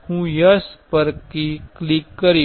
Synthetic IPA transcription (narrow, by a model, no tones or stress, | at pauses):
hũjɐspɐɾkiklikːɐɾi